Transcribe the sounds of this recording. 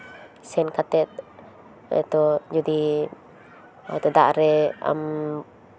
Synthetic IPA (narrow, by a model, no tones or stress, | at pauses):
sɛnkat̪ɛt̪̚ | ɛ̰t̪ɔd͡ʒɔd̪i | ɛt̪ɔd̪aʔɾɛa̰m